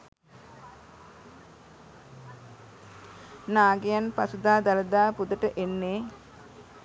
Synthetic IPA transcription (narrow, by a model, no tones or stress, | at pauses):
naːɡejanpasud̪aːd̪aləd̪aːpud̪əʈəʔenːeː